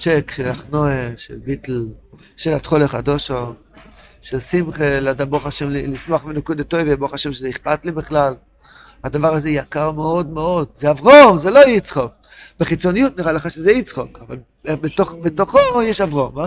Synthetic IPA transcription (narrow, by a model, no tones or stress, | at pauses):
t͡ʃekʃelaχnoeʃḛlbit̪l | ʃelat̪χoleχadoʃo | ʃelsimχeladaboχaʃemlilismoaχminokud̪at̪ojveboχaʃemʃezeiχpat̪libiχlal | had̪avaʁazejakaʁmeo̞dmeo̞d̪zeavʁomzelo̞it͡sχok̚ | beχit͡so̞nijut̪niʁaleχaʃezeit͡sχokava̰l | betoχbet̪oχojɛʃavʁoma